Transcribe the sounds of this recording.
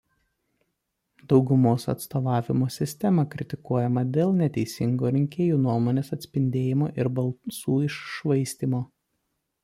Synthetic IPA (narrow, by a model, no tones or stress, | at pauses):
d̪ɒʊɡʊmoːsɐ̰t̪st̪oːʋɑːʋʲɪmoːsʲɪsʲt̪ʲɛmɐkɾʲɪt̪ʲɪkuɔjɛmɐd̪ʲeːlˠnʲɛt̪ʲɛɪsʲɪŋɡoːɾʲɪŋʲkʲeːjuːnuɔmoːnʲeːsɐt̪ʲsʲpʲɪnʲd̪ʲeːjɪmoːʔɪɾbɐlˠsuːɪʃʃʋɐɪsʲt̪ʲiːmoː